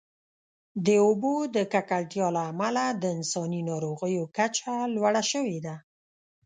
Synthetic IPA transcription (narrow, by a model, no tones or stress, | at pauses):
d̪əobod̪əkakalt̪jɑlaːmalad̪əɪnsɑninɑɾoɣəjokat͡ʃalwaɽaʃəwed̪a